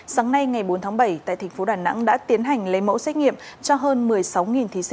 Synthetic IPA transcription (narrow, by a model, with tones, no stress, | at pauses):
saː˨˦ŋna˧jŋa˨˩jɓo˨˦nt̪ʰaː˨˦ɓə˧˩jt̪a̰ː˧˨jt̪ʰa˨˩ŋ̟fo˨˦ɗaː˨˩na̰˧˥ŋɗa̰ː˧˥t̪i˨˦ənɦa˨˩jŋ̟lə˨˦jmo̰˧˥sɛ˦˥ŋḭ˧˨əmt͡ɕɔ˧ɦəː˧nmɨ˨˩əjsa˨˦wŋi˨˩nt̪ʰi˨˦sḭ˧